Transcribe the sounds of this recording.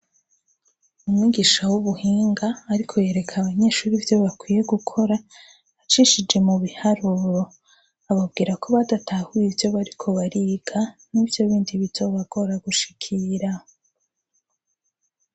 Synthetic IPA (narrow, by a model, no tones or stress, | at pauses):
umwiːɡiʃawuβuhiːŋɡaːɾikʰo̞je̞ːɾe̞kʰaβaɲe̞ːʃuːɾivjo̞βakwiːje̞ɡukʰo̞ɾa | at͡ʃiʃid͡ʒe̞muβihaɾuːɾo̞ | aβab̚ɡiːɾako̞βadatʰahujivjo̞βaɾikʰo̞βaɾiɡ̥anivjo̞βiːndiβito̞βaɡ̥o̞ɾaɡuʃi̥kʰiɾa